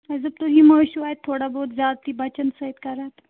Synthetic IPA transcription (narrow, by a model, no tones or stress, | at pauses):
əzəp̚t̪oɦiːməɭɕuaɦet̪ʰːoɽaboːd̪d͡zad̪t̪iːbət͡ɕənsəɦit̪kəɾat̪